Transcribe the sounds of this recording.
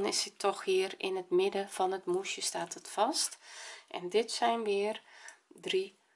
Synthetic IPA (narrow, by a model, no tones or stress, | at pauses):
nɪsətʰɔxʋɪərɪ̰nətmɪdəfɔnətmusjəstaːtətfɑstʔɛ̰ndɪtsɛjnʋɪərdri